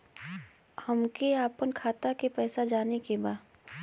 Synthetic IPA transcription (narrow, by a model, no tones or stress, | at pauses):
həmkeaːpənkʰaːt̪akepɛːsad͡ʒaːnekebaː